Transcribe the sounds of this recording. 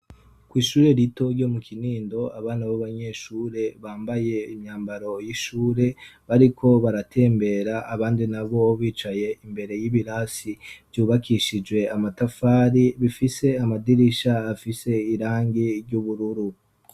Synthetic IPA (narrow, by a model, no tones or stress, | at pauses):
kwiːʃuːɾe̞ɾito̞ɾɟo̞mukʰiniːndo̞aβaːnaβaβaɲe̞ʃuːɾe̞βaːmbaje̞imɲaːmbaɾo̞jiʃuːɾe̞βaɾikʰo̞βaɾatʰe̞ːmbe̞ɾaʔːβaːndinaβo̞βiːt͡ʃaje̞imbe̞ɾe̞jiβiɾaːsiv̥juːβakiʃid͡ʒwe̞amatafaːɾiβifise̞amadiɾiʃaːfise̞iɾaːŋɡiɾɟuβuɾuɾu